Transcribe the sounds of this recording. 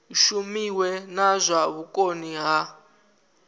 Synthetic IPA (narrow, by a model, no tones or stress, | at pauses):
ʃumiwɛnazʷaβukʼoniɣa